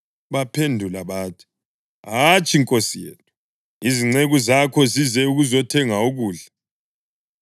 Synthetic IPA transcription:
βapʰendʱulaβaːtʰi̥ | at͡ʃʼiŋkʼosijɛ̰ːlʰɔ | iziŋ͡ǀeɣuzakʰɔzizɛuɣuzɔtʰɛŋauɣuːɮa

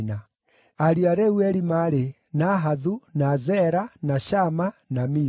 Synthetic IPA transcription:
na | aɾiaɾɛwɛɾimaɾe | naɦaðunazɛɾanaʃamanami

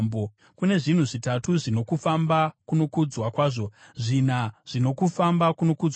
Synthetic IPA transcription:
mbo | kune̞ʐin̤uʐitatuʐino̞kufambakuno̞kud͡zwakwaːʐo̞ʐin̤aʐ̥ino̞kufambakuno̞kud͡z

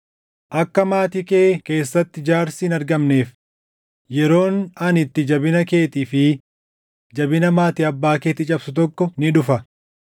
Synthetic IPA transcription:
ʔɐkːɐmaːt̪iːke̞ːke̞ːsːɐt̪ːɪd͡ʒaːɾsiːnɐɾɡɐmne̞ːf | jɛɾo̞ːnɐnɪt̪ːɪd͡ʒɐbɪnɐke̞ːt̪iːfɪ | d͡ʒɐbɪnɐmaːt̪ɪɐbːaːke̞ːt̪ɪt͡ʃʼɐbsʊt̪ɔkːɔnɪᶑʊfɐ

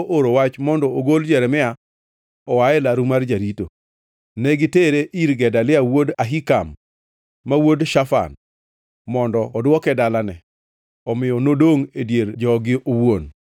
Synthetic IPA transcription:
ʔoɾowat͡ʃmɔndɔoɡold͡ʒɛɾɛmɪa | ɔwaɛlaɾumard͡ʒaɾito | nɛɡɪteɾeʔiɾɡɛdalɪawodaɦikamː | awodʃafa̰n | mɔndɔːdwɔkɛdalanɛ | ɔmɪjɔnodoŋedjeɾd͡ʒɔɡɪʔowon

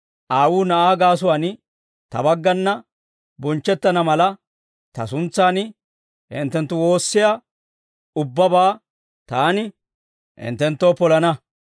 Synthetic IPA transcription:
ʔaːwuːnɐʔaːɡaːs̬ʊwaːn | t̪ɐ̰bɐɡːɐnːɐ | bɔnt͡ʃːɛt̪ːɐnɐmɐlɐ | t̪ɐ̰sʊnt͡sːaːnɪ | hɪ̰nt̪ːɛnt̪ːʊwo̞ːsːɪja | ʊbːɐbaː | t̪aːnɪ | hɪ̰nt̪ːɛnt̪ːoːpɔlɐnɐ

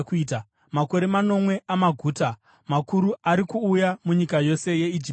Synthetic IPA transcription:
kiːta | mako̞ɾe̞mano̞mwe̞ʔamaɡʱuːta | makuɾuaɾikuːjamuɲikajo̞se̞je̞id͡ʒip

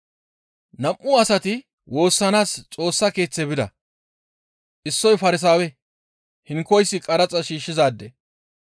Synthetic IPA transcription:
nɐmʔʊɐsɐt̪ɪ | wo̞ːsːɐnaːst͡sʼo̞ːsːɐke̞ːt͡sːɛbɪd̪ɐ | ʔɪsːɔjfɐɾɪs̬aːwɛ | hɪŋkːɔjsːɪkʼɐɾɐt͡sʼɐʃiːʃːɪzaːd̪ːɛ

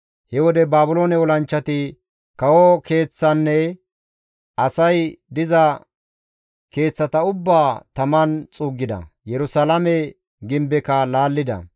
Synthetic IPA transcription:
hɛwɔd̪ɛbaːbʊloːnɛwɔlɐnt͡ʃːɐt̪ɪ | kɐwɔke̞ːt͡sːɐnːɛ | ɐsɐjd̪ɪzɐ | ke̞ːt͡sːɐt̪ɐʊbːaːt̪ɐmɐnt͡sʼuːɡːɪd̪ɐ̰jɛɾʊsalɐmɛ | ɡɪmbɛkɐlaːlːɪd̪ɐ̰

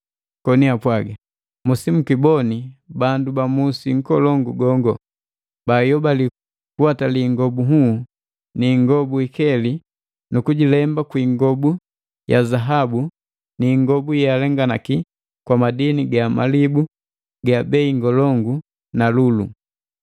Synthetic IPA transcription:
kɔniapwaɡa | musimukibɔnibandubamusiŋ̩kɔlɔŋɡuɡɔŋɡɔ | bajɔbali | kuataliŋɡɔbuɦu | niŋɡɔbuikɛli | nukuɟilɛmbakwiːŋɡɔbu | jazaɦabu | niŋɡɔbujalɛŋɡanaki | kwamadiniɡama̰libu | ɡabɛiŋɡɔlɔŋɡu | nalulṵ

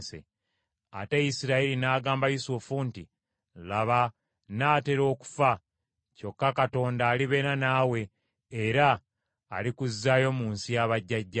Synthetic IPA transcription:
sḛ | ateisiɾaiɾinaːɡaːmbajusufunti | laβa | naːte̞ɾo̞ːku̥fa | co̞kːakato̞ːndaːliβe̞ːɾanaːwe̞ː | ɾaː | likuzːajo̞muːnsijaβaɟːaɟːa

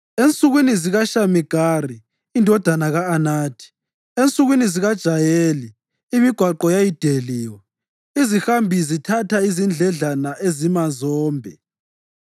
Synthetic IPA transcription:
ent͡sʼuɣwiniziɣaʃamiɡ̥ʱaːri | indʱɔd̥ʱanaɣaːnaːtʰi̥ | ent͡sʼuɣwiniziɣad̥ʒ̥ʱajeːliː | miɡ̥ʱwaǃɔjajid̥ʱeliːwɔ | izixambʱizitʰatʰaizind͡ɮʱɛɮanaʔezimazɔːmbʱɛ

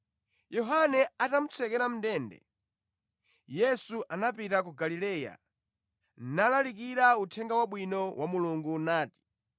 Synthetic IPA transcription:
jɔɦanɛatam̩t͡sʰɛkɛɾam̩ndɛːndɛ̰ | jɛsuʔanapitak̬uɡalilɛːja̰ | nalalikiɾautʰɛŋɡawaɓwinɔwamuluŋɡunaːti̥

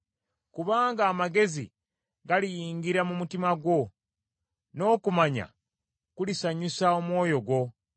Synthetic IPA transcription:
kuβaːŋɡaːmaɡe̞zḭ | ɡalijiːŋɡiɾamumutimaɡwo̞ | no̞ːkumaɲa̰ | kulisaɲusao̞mwo̞ːjo̞ɡwo̞

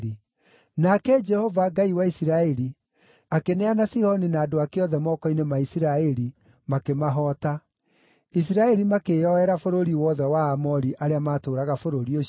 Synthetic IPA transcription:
i | nakɛd͡ʒɛhɔvaɡaiwaisiɾaɛɾi | akenɛanasihɔninaːdoakeɔðɛmɔːkɔinemaisiɾaɛɾi | makemaɦɔːta | is̬iɾaɛɾimakejɔɛɾafoɾoɾiwɔðɛwaːmɔɾiʔaɾeamaːtoːɾaɣafoɾoɾio

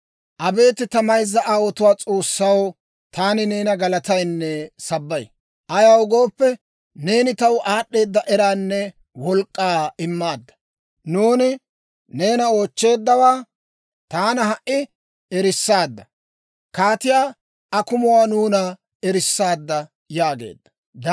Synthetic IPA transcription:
ʔɐbe̞ːt̪ɪt̪ɐmɐjzːɐʔawɔt̪ʊwaːt͡sʼo̞ːsːɐw | t̪aːnɪne̞ːnɐɡɐlɐt̪ɐjnːɛsɐbːɐj | ʔɐjɐwʊɡo̞ːpːɛ | ne̞ːnɪt̪ɐwʔaːɗːe̞ːd̪ːɐʔɛɾaːnːɛ | wɔlkʼːaːɪmːaːd̪ːɐ̥ | nuːnɪ | ne̞ːnɐo̞ːt͡ʃːe̞ːd̪ːɐwaː | t̪aːnɐɦɐʔːɪ | ɛɾɪsːaːd̪ːɐ | kaːt̪ɪjaː | ɐkʊmʊwaːnuːnɐ | ɛɾɪsːaːd̪ːɐ | jaːɡe̞̰ːd̪ːɐ̥ | d̪

